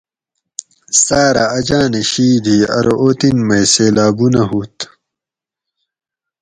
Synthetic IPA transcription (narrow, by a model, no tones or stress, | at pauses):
saːɾaːd͡ʑaːneɕiːd̪ʱiɐ̰ɾoʔoːt̪inmɐjseːlaːbunɐɦuːt̪